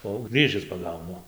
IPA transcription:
oː ɐʊ ˈɡrʲiːʒʲɪs pɐˈɡɐʊnʊ

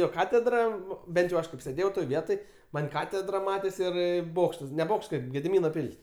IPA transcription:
ˈjoː ˈkɑːtʲɛdrɐ ˈbʲɛnt jɛʊ ˈɐʃ kɐɪp sʲeːˈdʲeːjɛʊ toːj ˈʋʲiɛtoːj ˈmɐnʲ ˈkɑːtʲɛdrɐ ˈmɑːtʲeːs ˈɪr ˈboːkʃtɐs nʲɛ ˈboːkʃt ˈkɐɪp ɡʲɛdʲɪˈmʲiːnoː ˈpʲɪlʲsʲ

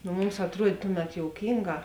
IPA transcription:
nʊ ˈmʊms ɐtˈruɔtʲ ˈtʊˌmʲɛt ˈjoːʊkʲiːŋˌɡɑː

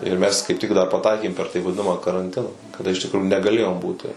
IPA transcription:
ɪr ˈmʲɛs kɐɪp tʲɪk dɐr pɐˈtɐɪkʲeːm pʲɛr tɐɪ ʋɐˈdʲɪnɐmɐ kɐrɐnʲˈtʲɪnɐ kɐˈdɐ ɪʃ tʲɪkˈrʊjʊ nʲɛɡɐˈlʲeːjoːm ˈbuːtʲɪ

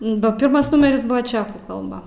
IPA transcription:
bɐ ˈpʲɪrmɐs ˈnʊmʲɛrʲɪs ˈbʊʋoː ˈt͡ʃʲæːkuː kɐlˠˈbɐ

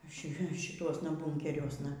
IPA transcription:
ˈʃʲɪ ʃʲɪˈtuɔsnɐ ˈbʊŋʲkʲɛrʲuɔsnɐ

